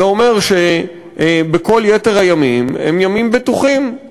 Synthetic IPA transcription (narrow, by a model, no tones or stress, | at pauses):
eo̞me̞ʁʃe | beko̞ljete̞ʁajamimḛmjamimbet̪uχim